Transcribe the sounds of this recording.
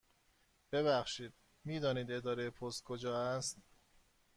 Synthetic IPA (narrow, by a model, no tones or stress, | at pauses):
b̥eβæxʃiːd̪̥̚ | miːd̪ɒːniːd̪e̞d̪ɒːɾejepʰost̪̚kʰod͡ʒɒːæst̪